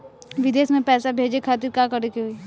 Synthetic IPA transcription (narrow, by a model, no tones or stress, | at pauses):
ʋɪd̪eːsmẽpɛːsabʱeːd͡ʒekʰaːt̪̬iɾkaːkɐɾekiɦoi